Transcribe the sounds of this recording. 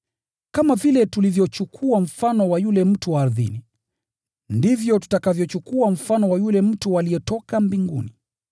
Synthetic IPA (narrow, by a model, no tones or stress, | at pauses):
kamavilɛtulivjɔt͡ʃukʰuaɱ̩fanɔwajulɛm̩tuwaːɾðḭni | ndivjɔtu̥takavjɔt͡ʃukuam̩fanɔwajulɛm̩tualiɛtɔkambiŋɡṵni